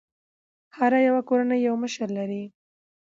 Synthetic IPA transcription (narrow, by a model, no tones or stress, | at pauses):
haɾajawakoɾanəjːawməʃəɾlaɾi